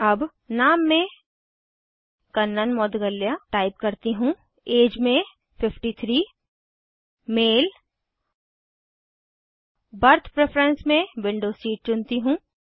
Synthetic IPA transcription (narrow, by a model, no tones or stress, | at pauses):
ɐb | naːmːẽ | kɐnːənmɔːd̪ɡəlːjaʈaːɪp̚kɐɾt̪iɦũː | eːd͡ʒmẽ | fɪfʰʈit̪ʰɾiː | meːl | bɐɾt̪ʰpɾepʰɾə̃nsmẽʋɪ̃ɳɖoːsiːʈ̚t͡ʃʊnt̪iɦũː